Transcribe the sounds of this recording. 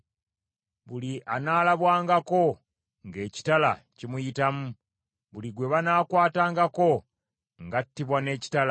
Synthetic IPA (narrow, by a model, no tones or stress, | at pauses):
βuliʔanaːlaβwaːŋɡako̞ | ŋɡe̞ːci̥tala̰cimujitamu | βuliɡwe̞βanaːkwaːtaːŋɡako̞ | ŋɡatːiβwane̞ːci̥tala